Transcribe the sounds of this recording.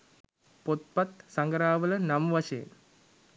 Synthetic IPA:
pot̪̚pɐt̪sɐŋɡɐɾaːʋɐlɐnɐmʋɐɕɐj̰n

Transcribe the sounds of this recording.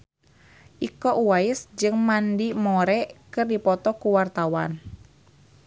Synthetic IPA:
ʔikɔʔuwaɪsd͡ʒɨŋmandimɔɾɛkɨrdipɔt̪ɔkuwart̪awan

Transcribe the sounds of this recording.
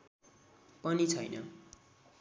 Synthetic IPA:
pʌnit͡sʰʌ̰jnʌ̰

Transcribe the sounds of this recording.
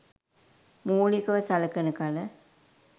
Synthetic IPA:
muːlikɐʋəsalɐkənəkalə

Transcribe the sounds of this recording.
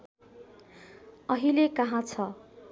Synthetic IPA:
ʌɦilekʌɦãt͡sʰʌ

